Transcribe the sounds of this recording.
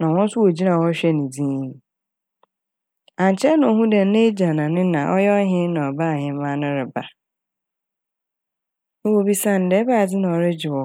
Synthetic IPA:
nã˨wɔ̃˦n̩˦sʊ˦wo˨d͡ʑi˦nã˨wɔ˦ɕᶣɛ˦nɪ̃˨d͡zĩː˦˨ | ã˨n˨t͡ɕʰɛ˦nʊ̃˨ɔ˨ɦũ˦dɛ˨n̩˦nẽ˦d͡ʑã˨nã˨nɪ̃˦nã˨ʔɔ˦jɛ˦ɔ˦ɦɪ̃˦n˦nã˨ɔ˨ba˦˨ɦɪ̃˨˦mã˦nʊ̃˦ɾɪ˨ba˨ | nʊ̃˦wo˦bi˦sa˦˨n̩˨dɛː˨˦ba˦˨d͡zɪ˦nã˨ɔ˨ɾɪ˦d͡ʑɪ˨wɔ˨

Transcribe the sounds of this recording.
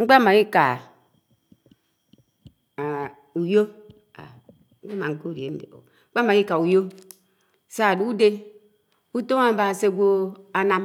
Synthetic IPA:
ŋ͡m̩˦k͡pa˦ma˨ji˦ka˨ | u˨jo˦ | a̰˨ | ŋ͡m̩˦k͡pa˦ma˨ŋ̩˦ko˦˨ɾi˨ḛ˨˦n̩˦dḛ˨o̰˨ | ŋ͡m̩˦k͡pa˦ma˨ji˦ka˨u˨jo˦ | sa˦˨du˦u˦de˦ | u˦to˦ŋa˦ba˨se˦ɡʷo˦a˨na˨m

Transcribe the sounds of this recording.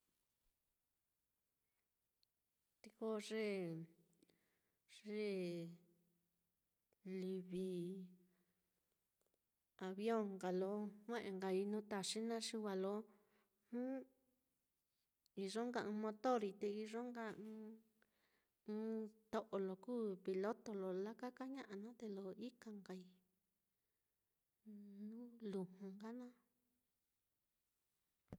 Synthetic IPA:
t̪i˧ko˦˧ʐe˦˧˦ | ʐe˦ | li˧βi˧ | a˨βjõ˦˨ŋɡa˨lo˧˦ŋʷẽ˦ʔẽ˧˨ŋɡa˧i˧nũ˦t̪a˧ʂi˦nã˦ʂi˧βa˧lo˧˦ | hũ˦ | i˧ʐo˦ŋɡã˧mõ˧t̪o˦˨ɾi˧t̪e˧i˧ʐo˦ŋɡãː˧˦˧ | t̪o˧ʔo˨lo˨kuː˦pi˧lo˦t̪o˧lo˨la˦ka˦ka˦ɲã˦ʔa˧nã˦t̪e˧lo˧i˦ka˧ŋɡa˨i˧ | nũ˦lu˨hũ˨ŋɡa˦nã˦

